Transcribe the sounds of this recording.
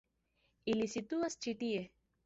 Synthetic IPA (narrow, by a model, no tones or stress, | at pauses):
ilisit̪uast͡ʃiʈ̪ie